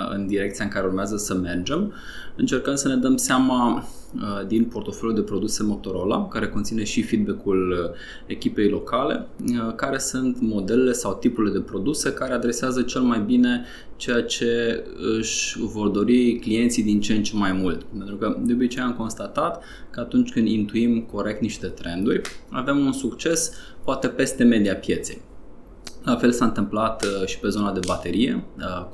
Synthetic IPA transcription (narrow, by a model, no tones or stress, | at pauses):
ɨ̰nd̪iɾe̞k̚t̪sijaɨŋkaɾe̞urmeazəsəme̞rd͡ʒe̞m | ɨnt͡ʃe̞rkənd̪səne̞d̪əmseama | d̪inpo̞rt̪o̞fo̞ljuld̪e̞pɾo̞d̪use̞mo̞t̪o̞ɾo̞la̰kaɾe̞ko̞nt̪sine̞ʃifid̪̚bekul | e̞kʲipe̞jlo̞kale̞̰kaɾe̞sunt̪mo̞d̪e̞lele̞sawt̪ipuɾile̞d̪e̞pɾo̞d̪use̞kaɾe̞ad̪ɾe̞seazət͡ʃe̞lmajbine̞ | t͡ʃe̞jat͡ʃe̞ | ɨʃʲvo̞rd̪o̞ɾiklije̞nt̪sijd̪int͡ʃent͡ʃe̞majmult̪pent̪ɾukəd̪eobit͡ʃejamko̞nst̪at̪at̪ | kəat̪unt͡ʃʲkɨnd̪int̪uimko̞ɾe̞kt̪niʃt̪e̞t̪ɾe̞nd̪urʲa̰ve̞munsukt͡ʃe̞spoat̪e̞pe̞st̪e̞me̞d̪ijapje̞t̪se̞̰j | lafe̞lsaɨnt̪ɨmplat̪ʃi̥pe̞zo̞nad̪e̞bat̪e̞ɾije̞̰